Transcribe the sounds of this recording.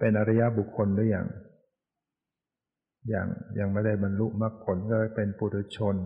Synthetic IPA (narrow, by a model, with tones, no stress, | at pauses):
pe˧nʔa˧ɾa˧ja˦˥ʔbu˨˩kʰːo˧ndu˥˩əja̰ː˨˩ŋ | ja̰ː˨˩ŋjaː˨˩ŋma˥˩da˥˩jba˧nlu˦˥˩ʔma˥˩k̚pʰo˩˦nkɔː˥˩pe˧npuː˧˩t̪ʰu˧˥t͡ɕʰo˧n